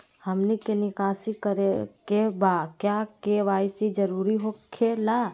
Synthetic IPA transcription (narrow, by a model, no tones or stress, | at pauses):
həmnikenɪkaːsikəɾekebaːkjakeʋaːsid͡ʒəɾuːɾiɦokʰelaː